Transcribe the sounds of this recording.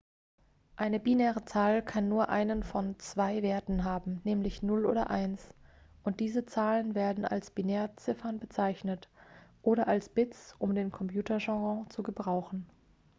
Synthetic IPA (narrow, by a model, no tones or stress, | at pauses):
ʔaɪnəbinɛːʁət͡saːlkʰanːuːɐʔa̰ɪnənfɔnt͡sv̥aɪveːɐtn̩ɦaːbm̩nɛːmlɪçnʊlʔo̰ːdɐ̰ʔaɪnsʔʊnt̚d̥iːzət͡saːlənveːɐdn̩a̰lsb̥inɛːɐt͡sɪfɐnbət͡saɪçnətʔoːɾɐʔalsb̥ɪt͡sʔʊmdeːnkʰɔmpjuːtʰɐʒɑ̃ɡɑ̃t͡suɡəbʁaʊxn̩